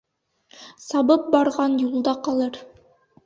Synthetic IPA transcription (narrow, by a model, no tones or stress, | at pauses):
sɑbɤp̚bɑɾʁɑnjulˠd̪ɑqɑlˠɤɾ